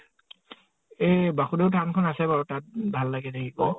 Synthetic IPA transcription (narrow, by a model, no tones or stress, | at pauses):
ejbaxudeʊtʰankʰɔnasɛbaɹutat̚bʱalːaɡɛdekʰibɔ